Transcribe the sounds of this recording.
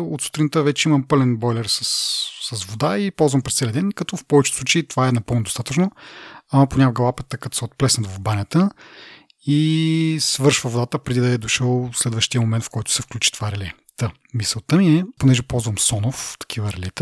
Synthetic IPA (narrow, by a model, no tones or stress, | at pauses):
ot̪su̥t̪ɾinət̪əvɛt͡ʃɛimɐmpɤlɛnbɔjlɛɾsəsːɐsvod̪aipɔlˠzvɐmpɾɛst̪sɛlijd̪ɛnkɐt̪ɔfpɔvɛt͡ʃɛ̥slˠut͡ʃeiːt̪o̥vaɛnɐpəlˠnod̪ost̪at̪ət͡ʃnoɐmɐponʲaɡɐlˠapɛt̪ːəkɐt̪ɔ̥sɛot̪̚plɛsnɐt̪vɐvbanʲɐt̪ə | isvɤɾʃvəvod̪at̪əpɾɛd̪id̪ɐɛd̪oʃəlˠslɛd̪vəʃt̪ijəmomɛnt̪fkɔjt̪ʊ̥sɛfklʲut͡ʃi̥t̪o̥vaɾɛlʲɛ | t̪ə | misəlˠt̪əmiɛponɛʒɛpɔlˠzvɐmsɔnoft̪ɐ̥kʰivəɾɛlʲɛt̪ə